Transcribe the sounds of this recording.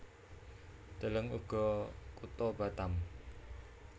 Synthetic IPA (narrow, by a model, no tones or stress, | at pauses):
d̪̥ə̤ləŋṵɡ̥ɔ̤kut̪ɔb̥a̤t̪am